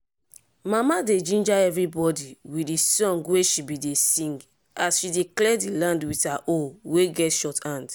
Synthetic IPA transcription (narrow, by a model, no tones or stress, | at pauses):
mamaded͡ʒĩnd͡ʒaɛvɾibɔdiwiisɔ̃ŋɡweʃibidesĩŋɡ | asʃideklɛdilãndwitaʔoweɡɛtʃɔtãnd